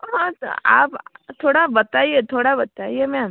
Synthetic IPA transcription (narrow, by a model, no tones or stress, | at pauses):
ɦã̰a̰pt̪ʰoɽabət̪ajet̪ʰoɽabət̪ajemã